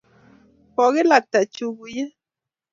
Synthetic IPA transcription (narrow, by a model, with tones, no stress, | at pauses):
pɔ˨ɣe˦la˨k̚t̪a˨t͡ʃu˨ɡu˨je˦